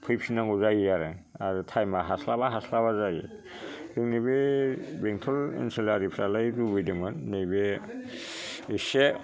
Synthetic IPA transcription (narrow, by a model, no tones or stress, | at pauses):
pʰɯjp̚sinaŋɡuzajaɾɯaɾɯtʰajmaɦaslaβaɦaslaβazaji | ɾɯŋnibebeŋtʰɔlḛnselaɾipʰɾalajɾubɯjdɯmɯnːejbe | ese